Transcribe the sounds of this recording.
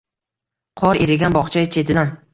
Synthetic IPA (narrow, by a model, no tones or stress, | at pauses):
qʰɒɾeɾɪɡʲanbɒχt͡ʃʰajt͡ʃʰe̞t̪ʰɪd̪an